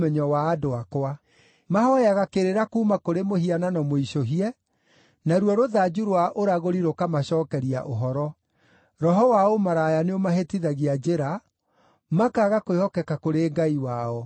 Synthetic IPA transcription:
mɛɲɔwaːdoakoa | mahɔjaɣakeɾeɾakuːmakoɾemohiananɔmoiʃoɦiɛ | naɾwɔɾoðad͡ʑuɾwaʔoɾaɣoɾiɾokamaɕɔːkɛɾia̰ʔoɦɔɾɔ | ɾɔɦɔwaomaɾajaneomaɦetiðaɣiad͡ʑeɾa | makaɣakoehɔkɛkakoɾeŋɡaiwaɔ

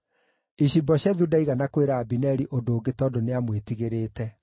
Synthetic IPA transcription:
iɕibɔɕaðudaiɣanakoweɾaːbinɛɾiʔodoːɡetɔːdoneamwetiɣeɾeːtɛ

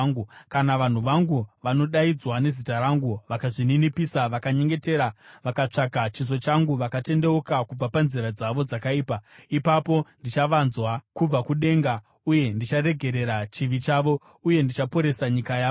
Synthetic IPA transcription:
ukanaʋan̤uʋaŋɡuʋano̞ɗaid͡zwane̞zitaɾaŋɡuʋakaʐininipisaʋakaɲe̞ŋɡe̞te̞ːɾaʋakat͡ʂakat͡ʃiz̬o̞t͡ʃaŋɡuʋakate̞nde̞okakub͡vapanziɾad͡zaʋo̞d͡zakaiːpaipapo̞ndit͡ʃaʋanzwakub͡vakuɗe̞ŋɡa | uje̞ndit͡ʃare̞ɡʱe̞ɾe̞ɾat͡ʃiʋit͡ʃaːʋo̞ | uje̞ndit͡ʃapo̞ɾe̞saɲikaja

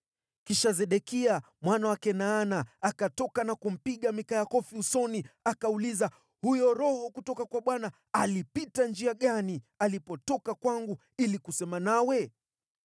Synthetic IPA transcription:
kiʃazɛɗɛkia | mwanawakɛnaːnaːkatɔkanakum̩piɠamikajakɔfiusɔniakauliza | hujɔɾɔhɔkutɔkakwaɓwana | alipitand͡ʒiaɠanialipɔtɔkakwaŋɡu | ilikusɛmanawɛ

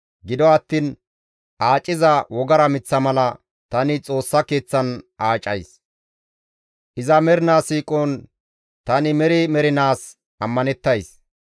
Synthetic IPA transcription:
ɡɪd̪ɔɐt̪ːiːn | ʔaːt͡ʃʼːɪzɐwɔɡɐɾɐmɪt͡sːɐmɐlɐ | t̪ɐnɪt͡sʼo̞ːsːɐke̞ːt͡sːɐnʔaːt͡ʃʼːɐjs | ʔɪzɐmɛɾɪnaːsiːkʼoːn | t̪ɐnɪmɛɾɪmɛɾɪnaːs | ɐmːɐnɛt̪ːɐjs

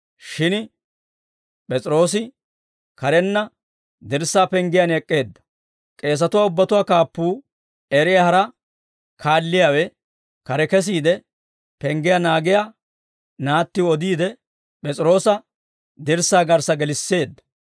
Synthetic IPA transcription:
ʃɪn | pʼɛt͡sʼɪɾo̞ːsɪ | kɐɾɛnːɐ | d̪ɪɾsːaːpɛŋɡɪjɐnɛkʼːe̞ːd̪ːɐ̥ | kʼe̞ːs̬ɐt̪ʊwaːʊbːɐt̪ʊwaːkaːpːuː | ɛɾɪjahɐɾɐ | kʰaːlːɪjawɛ | kɐɾɛkɛs̬iːd̪ɛ | pɛŋɡɪjanaːɡɪja | naːt̪ːɪɔd̪iːd̪ɛ | pʼɛt͡sʼɪɾo̞ːsɐ | d̪ɪɾsːaːɡɐɾsɐɡɛlɪsːe̞ːd̪ːɐ̥

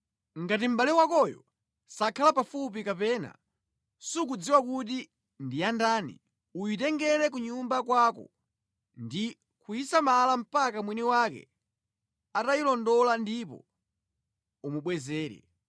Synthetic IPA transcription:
ŋɡatim̩ɓalɛwakɔjɔ̰ | sakʰalapafup̬ikapɛna̰ | sukud͡ziwakuti | ndijandaːnḭ | ujitɛŋɡɛɾɛk̬uɲumbakwakɔ̰ | ndi | kuisamalam̩pakamwiniwakɛ̰ | atailɔndɔlandipɔ̰ | umuɓwɛzɛːɾɛ̰

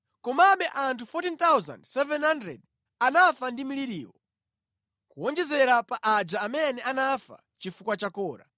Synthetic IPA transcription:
kɔmaɓɛʔantʰufɔtint̪awza̰ndsɛvɛnhandɾɛ̰d̚ | anafandimiliɾiːwɔ̰ | kuwɔnd͡ʒɛzɛɾapaʔad͡ʒaːmɛnɛanafa̰ | t͡ʃifukwat͡ʃakɔːɾa̰

